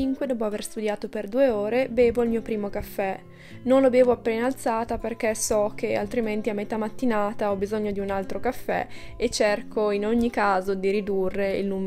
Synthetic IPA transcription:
iŋkwed̪ɔːp̬oaverst̪ud̪jaːt̪operd̪uːeoːɾebeːvoilmiːopɾiːmokafːɛ | nonlobeːvoapːenaːlt̪saːt̪aperkesɔk̟ea̰lt̪ɾiment̪iamːet̪amat̪ːinaːt̪aɔbizoɲːod̪iunalt̪ɾokafːɛ̰et͡ʃːerkʰoinoɲːikaːzod̪iɾid̪urːeḭlnuːm

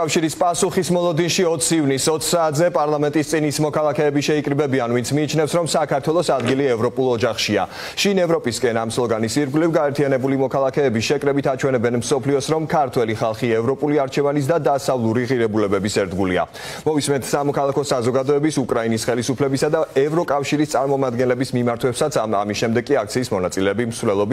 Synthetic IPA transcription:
kʼafʃiɾispʼasuχismɔlˠɔd̪inʃiɔt̪sʰivnisɔt̪sʰsaːt̪zɛpʼaɾlˠamɛnt̪ʼist̪sʼinismɔkʰalˠakʰɛːbiʃɛikʼɾibɛbianvinsʰmiːt͡ʃʰnɛfsɾɔmsakʰaɾt̪ʰwɛlˠɔsad̪ɡiliɛvɾɔpʼulˠɔd͡ʒaχʃia̰ | ʃinɛvɾɔpʼiskʼɛnamslˠɔɡanisiɾɡlivɡaɛɾt̪ʰianɛbulimɔkʰalˠakʰɛːbiʃɛkʼɾɛbit̪ʰat͡ʃʰwɛnɛbɛnmsɔpʰliɔsɾɔmkʰaɾt̪ʰwɛliχalˠχiɛvɾɔpʼuliaɾt͡ʃʰɛvanis̬d̪ad̪asavlˠuɾiʁiɾɛbulɛbɛbisɛɾd̪ɡulia̰ | mɔvismɛnt̪ʰsamɔkʰalˠakʰɔsazɔɡad̪ɔɛbisukʼɾainisχɛlisupʰlɛbisad̪aɛvɾɔkʼafʃiɾist̪sʼaɾmɔmad̪ɡɛnlɛbismimaɾt̪ʰwɛpsat̪sʰa̰misʃɛmd̪ɛɡ̚kʼiak̚t̪sʰiːsmɔnat̪sʼilɛːbimsvlɛlˠɔbi

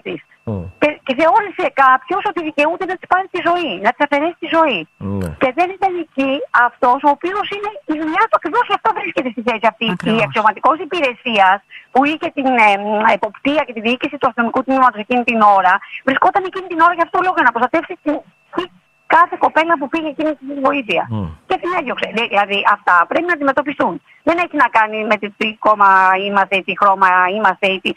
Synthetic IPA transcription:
t̪is | ceceθe̞o̞lise̞kɐpço̞so̞t̪iðice̞ut̪enɐt̪i̥spɐɾist̪izo̞inɐt̪i̥sɐfe̞ɾe̞si̥t̪izo̞ice̞ðe̞nit̪ɐniciɐft̪o̞so̞ːpio̞sine̞iðuɲɐt̪uɐkɾivo̞scɐft̪ovɾisce̞t̪est̪iθe̞siɐft̪iiɐksio̞mɐt̪iko̞sipiɾe̞siɐspuiçe̞t̪ineepo̞pt̪iɐce̞t̪iðiicisit̪uɐst̪ino̞mikut̪nimɐt̪o̞se̞cinit̪ino̞ɾɐvɾisko̞t̪ɐne̞cinit̪ino̞ɾɐʝɐft̪ot̪olo̞ɣoʝɐnɐpɾo̞st̪ɐt̪e̞fsit̪in | t̪i | kɐθe̞ko̞pe̞lɐpupiʝecinist̪isizvo̞iθiɐcet̪inejokseðiðilɐðiʔɐft̪ɐpɾe̞pinɐd̪ime̞t̪o̞pist̪un | ðe̞neçinɐkɐnime̞t̪it̪iko̞mɐimɐst̪e̞it̪ixɾo̞mɐimɐst̪e̞it̪i

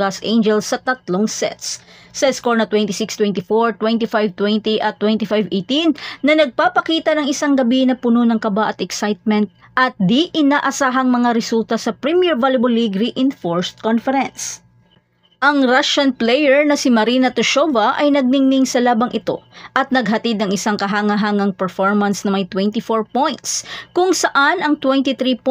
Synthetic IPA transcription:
asʔẽjnd͡ʒɛlsːɐt̪ɐt̪loŋsɛ̰t̪s | sɐɪskoɹnɐt̪wɛ̃nt̪isikst̪wɛ̃nt̪ifoɹt̪wɛnt̪ifajvt̪wɛnt̪iʔɐt̪ːwɛnt̪ifajvʔejt̪inːɐnɐɡ̚paːpɐkiːt̪ɐnɐŋɪsaŋɡɐbinɐpʊno̞nɐŋkɐbaʔɐt̪ɛksajt̪̚mɛnt̪̚ | ʔɐt̪̚d̪iʔɪnaːʔɐsaːɦɐŋmɐŋaɾɛsult̪ɐsɐpɾimiɛɹvalɪbolːiɡɾiʔɪnfoɹst̪̚konfɛɾɛns | ʔɐŋɾaʃɐnplɛjɛɹnɐsimɐɾinɐt̪ʊʃovɐʔɐjnɐɡ̚nɪŋnɪŋsɐlaːbɐŋʔɪt̪o̞̰ʔɐt̪̚nɐɡ̚ɦɐt̪id̪nɐŋɪsaŋkɐɦaːŋɐɦaːŋɐŋpɛɹfoɹmɐnsnɐmɐjt̪wɛnt̪ifoɹpojnt̪skʊŋsɐʔanɐŋt̪wɛnt̪it̪ɾip

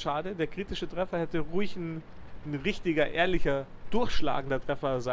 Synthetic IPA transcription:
ʃaːdədeːɐkʁ̥iːtɪʃətʁ̥ɛfɐhɛtəʁuːɪçn | nʁɪçtɪɡɐʔeːɐlɪçɐd̥ʊɐçʃla̰ːɡŋ̩dɐtʁ̥ɛfɐza

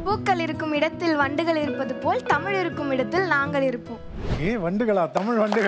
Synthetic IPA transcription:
puːkːɐɭɪɾɯkːɯmɪɽɐt̪ːɪlʋɐɳɖɯɣɐɭɪɾɯpːɐðɯpoːlt̪ɐmɪɻɪɾɯkːɯmɪɽɐt̪ːɪlnaːŋɡɐɭɪɾɯpːoːmeːʋɐɳɖɯɣɐɭaːt̪ɐmɪɻʋɐɳɖɯɣɐ

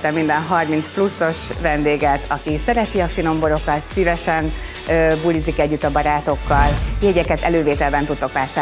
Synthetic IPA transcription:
t̪ɛmind̪ɛnɦɒrmint̪splusːo̞ʃvɛnd̪eːɡɛt̪ʰɒkisɛɾɛt̪iɒfino̞mbo̞ɾo̞kɒt̪sivɛʃɛn | øbulizːikɛɟːyt̪ːɒbɒɾaːt̪o̞kːɒljeɟɛkɛt̪ɛløːveːt̪ɛlbɛnt̪ut̪ːo̞kʋaːʃaː

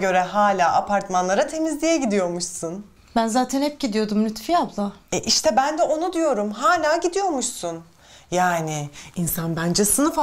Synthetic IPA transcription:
ɡø̞ɾɛɦaːlʲaːʔapʰaɾt̪manlˠaɾat̪ʰe̞mizlʲijɛɟid̪ijo̞ɾmuʃsun | bænzaːt̪ʰɛnhɛp̚ɟid̪ijo̞d̪umlʲyt̪fijablˠaɛʔiʃt̪ʰɛbænd̪ɛʔo̞nud̪ijo̞ɾumɦaːlʲaːɟid̪ijo̞ɾmuʃsun | jaːnɪːnsanbænd͡ʒɛsɯnɯf

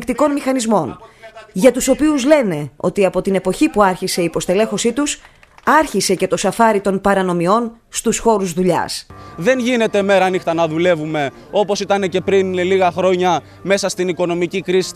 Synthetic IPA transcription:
kt̪iko̞nmixɐnizmo̞nʝɐt̪uso̞piuzle̞ne̞o̞̰t̪iɐpo̞t̪ine̞po̞çipuɐɾçise̞ipo̞st̪ele̞xo̞sit̪us | ɐɾçise̞ce̞t̪o̞sɐfɐɾit̪o̞npɐɾɐno̞mio̞n | st̪usxo̞ɾuzðuʎɐ̰sðe̞nʝine̞t̪e̞me̞ɾɐɐnixt̪ɐnɐðule̞vume̞ | o̞po̞sit̪ɐne̞ce̞pɾinliɣɐxɾo̞ɲɐ | me̞sɐst̪iniko̞no̞micikɾisi̥

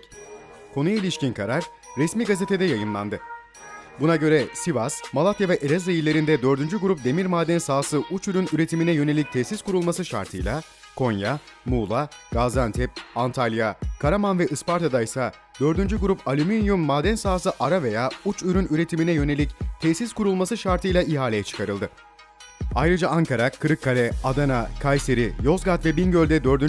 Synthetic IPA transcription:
kʰo̞nujailʲiʃcinkʰaɾaɾ | ɾɛsmiːɡaze̞t̪ʰe̞d̪ɛjajɯmlˠa̰nd̪ɯ | bunaɟø̞ɾɛsivasmalˠat̪javɛʔeɾɛzd̪ajilːʲe̞ɾind̪ɛd̪ø̞ɾd̪ynd͡ʒyɡuɾup̚d̪e̞miɾmaːd̪ænsaːsɯʔut͡ʃyɾynyɾe̞t̪ʰiminɛjø̞ne̞lʲic̚t̪ʰɛsiskuɾulˠmasɯʃa̰ɾt̪ʰɯ̰jlˠa | kʰo̞njamuːlˠaɡazant̪ʰɛp̚ant̪ʰalʲˠjakʰaɾamanvɛʔɯspaɾt̪ʰad̪ajsa | d̪ø̞ɾd̪ynd͡ʒyɡuɾupʰalʲyminjumːaːd̪ænsaːsɯʔaɾave̞jaːut͡ʃyɾynyɾe̞t̪ʰiminɛjø̞ne̞lʲict̪ʰɛsiskuɾulˠmasɯʃaɾt̪ʰɯjlˠaiɦaːlʲejɛt͡ʃʰɯ̥kʰaɾɯlˠd̪ɯ | ajɾɯd͡ʒaaŋkaɾakʰɯɾɯkʰːalʲɛad̪anakʰajse̞ɾijo̞zɡat̪vɛbinɟø̞lʲd̪ɛd̪ø̞ɾd̪yn

